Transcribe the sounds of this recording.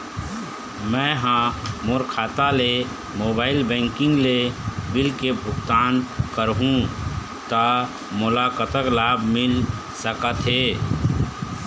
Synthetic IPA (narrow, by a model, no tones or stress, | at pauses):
mɛ̃ɦãmoɾkʰat̪ale | mobailbɛ̃ŋkĩŋɡlebilkebʱʊɡt̪ankəɾɦũ | t̪ə | mʊlakət̪əklabʱmil | səkət̪ɦe